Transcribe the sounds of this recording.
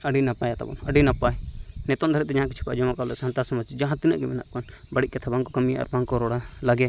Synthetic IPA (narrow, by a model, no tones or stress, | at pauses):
əɖinapajat̪a̰bɔ̰nəɖinapajnɛt̪ɔnd̪ʱaɾɛt̪̚t̪ɛd͡ʒãɦãkit͡ʃʰi̥pa̰ʔd͡ʒɔmakalɛsant̪asɔmat͡ʃid͡ʒãɦãt̪inəʔɡɛmɛna̰ʔkan | baɽiʔ̪̚kat̪ʰabaŋkɔkamija̰ʔa̰ɾbaŋkɔɾɔɽa | laɡɛ